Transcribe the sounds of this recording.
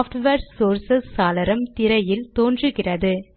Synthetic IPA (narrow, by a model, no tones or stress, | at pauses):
fʈʋɐɾsoːɾsɐsːaːlɐɾɐmt̪ɪɾɐjɪlt̪oːndrɯɣɪrɐðɯ